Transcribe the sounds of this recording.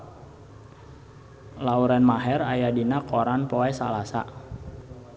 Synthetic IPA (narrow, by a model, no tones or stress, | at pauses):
lauɾɛnmaɦɛɾajadinakʰoɾanpoɛsa̰lasa̰